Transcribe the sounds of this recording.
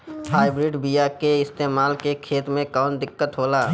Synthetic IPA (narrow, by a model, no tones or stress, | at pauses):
haːɪbɾɪɖbijakeɪst̪eːmaːlkekʰeːt̪mẽkɔːnd̪ɪkːət̪ɦoːlaː